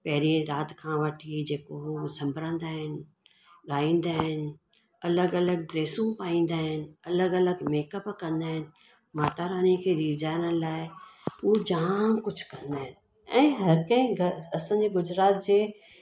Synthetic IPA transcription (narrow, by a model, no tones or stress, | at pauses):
pɐɦɪɾĩɾaːt̪kʰãʋəʈʰid͡ʑeːkoɦsɐ̃mbʱɾə̃nd̪aːɦɪnɪ̆ | ɠaːĩːnd̪aːɦɪnɪ̆ | ɐləɡɐləɡ̚ɡɾeːsũpaːĩːn̆d̪aːɦɪnɪ̆ɐləɡɐləɡmeːkəpkɐ̃nd̪aːɦɪnɪ̆ | maːt̪aːɾaːnikʰeːɾiːd͡ʑaːnəlaːɪuod͡ʑaːkʊd͡ʑʱkɐ̃nd̪aːɦɪnɪ | ɛ̃ːɦɐɾkɐ̃ĩɡɐsãːɲd͡ʑeːɡʊd͡ʑɾaːt̪̚d͡ʑeː